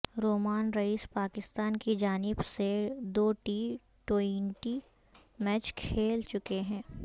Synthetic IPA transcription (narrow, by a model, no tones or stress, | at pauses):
ɾoːmaːnɾɐiːspaːkɪst̪aːnkid͡ʒaːnɪbsed̪oːʈiː | ʈoiɳʈi | mɛːt͡ʃkʰeːlt͡ʃʊkeɦɛ̃ː